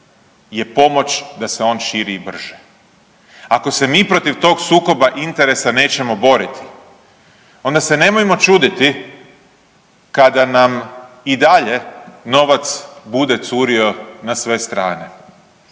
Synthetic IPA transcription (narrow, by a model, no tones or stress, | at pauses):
je̞po̞mo̞t͡ʃd̪aseo̞ːnʃiːɾibr̩ʒ̥e̥ | ako̞se̞miːpɾo̞t̪iʋt̪o̞ɡsuːko̞baʔint̪eɾe̞sane̞ːt͡ɕe̞mo̞bo̞ɾit̪i̥ | o̞nd̪ase̞ne̞mojmo̞t͡ʃuːd̪it̪i | kad̪anam | id̪aʎe̞no̞ʋat̪sbud̪e̞t̪suːɾio̞nasʋe̞st̪ɾaːne̞